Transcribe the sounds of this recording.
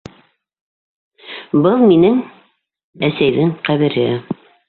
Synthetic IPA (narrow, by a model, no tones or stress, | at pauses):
bɤlˠminɘŋ | æsæjðɘŋqæβɘ̆ɾɘ